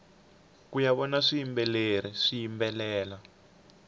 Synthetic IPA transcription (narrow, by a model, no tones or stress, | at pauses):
kujaβɔnaʂiimbɛleɾ̤iʂijimbɛlɛːla